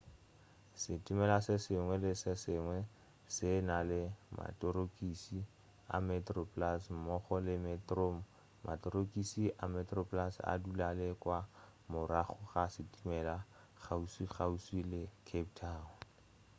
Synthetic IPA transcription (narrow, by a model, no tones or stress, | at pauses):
sɪtʼimɛlasɪsɪŋwɛlɪsɪsɪŋwɛ | sɪnalɪmʔa̰tʼoɾokʼisi | a̰mɛtrɔpʼlasm̩mɔχɔlɪmɛtrom | mʔa̰tʼoɾokʼisiʔamɛtrɔpʼlasa̰dulalɪkwa | mʊɾaχɔχasɪtʼimɛla | χʰausiχauswilɪkʰep̚tʰaːɔ